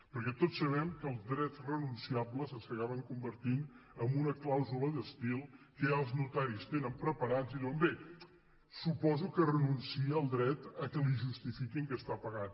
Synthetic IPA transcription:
pəɾkɛt̪ot͡ssːəβ̞ɛmkəːlˠzd̪ɾɛzrənunsiabləzəskəɣaβəŋkumbəɾt̪inəmbunəklawzuləðəst̪ilˠkəaəlˠznut̪aɾist̪enəmpɾəpəɾad͡ziðiwəmbe | supɔzukərənunsiəəlˠd̪ɾɛt̪əkəliʒust̪ifikiŋkəst̪apəɣat̪

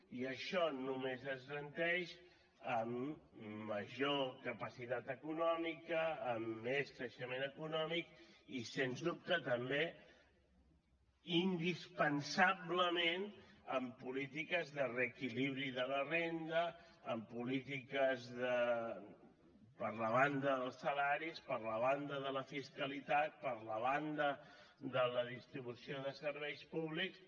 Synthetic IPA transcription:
iəʃɔnumezəzɣənt̪ɛʃ | əmː | əʒokəpəsit̪at̪əkunɔmikəːmːeskɾəʃəmenəkunɔmikisenzðup̚t̪ət̪əmbe | ind̪ispənsaβləmenəmpulit̪ikəzðərəkiliβɾiðələrend̪əː | mpulit̪ikəzðə | pəɾləβand̪əðəlˠsəlaɾispəɾləβ̞and̪əðələfiskəlit̪at̪̚pəɾləβand̪ə | d̪ələðist̪ɾiβusioðəsəɾβɛjspuβliks

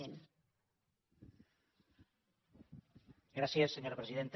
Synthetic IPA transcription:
en | ɡɾasjesːeɲoɾapɾesiðent̪

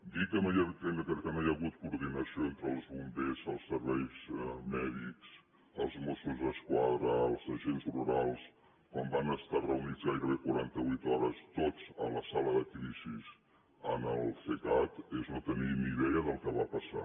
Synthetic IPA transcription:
d̪ikːənojət̪eŋəkkənojəɣut̪kuɾðinəsioent̪ɾəlˠzβumbezəlˠsːəɾβɛjzmɛðiks | əlˠzmosuzðəskwaðɾəːlˠzəʒenzluɾalˠs | kɔmbanəst̪arəunid͡zɣajɾəβekuɾant̪əβujt̪ɔɾəst̪ot͡sə̰nləsaləðəkɾiziz | ənəlˠfek̪at̪eznot̪əniniðɛəðəlˠkəβapəsa̰

